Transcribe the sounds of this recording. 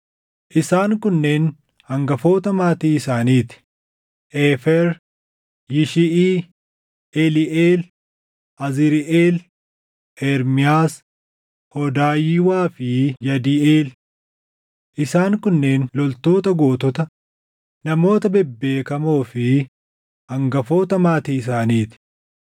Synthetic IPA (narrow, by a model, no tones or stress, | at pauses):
ʔɪsaːŋkʊnːe̞ːn | hɐŋɡɐfo̞ːt̪ɐmaːt̪iːɪsaːniːt̪ɪ̥ | ʔeːfɛɾ | jɪʃɪʔiː | ɛlɪʔeːl | ʔɐzɪɾɪʔeːl | ʔɛɾmɪaːs | hɔd̪aːjɪːwaːfɪjɐd̪ieːl | ʔɪsaːŋkʊnːe̞ːnlɔlt̪o̞ːt̪ɐɡo̞ːt̪ɔt̪ɐ | nɐmo̞ːt̪ɐbɛbːe̞ːkɐmoːfɪ | ɐŋɡɐfo̞ːt̪ɐmaːt̪iːɪs̬aːniːt̪ɪ̥